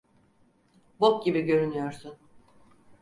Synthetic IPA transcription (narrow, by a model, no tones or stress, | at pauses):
bop̚ɟibiɟø̞ɾynyjo̞ɾsun